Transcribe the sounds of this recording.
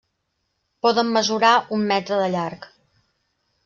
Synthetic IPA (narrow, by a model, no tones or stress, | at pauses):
pɔðəmːəzuɾaumːɛt̪ɾəðəʎark